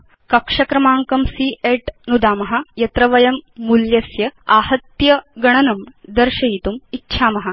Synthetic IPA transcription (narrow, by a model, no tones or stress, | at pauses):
kɐkʂɐkɾɐmaːŋkɐmsiʔeʈnud̪aːmɐɦɐ̆jɐt̪ɾɐʋɐjɐmːuljɐsjɐaːhɐt̪jɐɡɐɳ̃ɐnɐmd̪ɐɾʃɐjit̪umitːɕʰaːmɐɦɐ